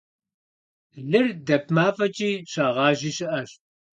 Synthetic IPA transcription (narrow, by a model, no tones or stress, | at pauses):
ɮɨrdɐp̚ʰmaːfɐt͡ʃʼiːɕaːʁɑːʒiːɕɪʔɐɕ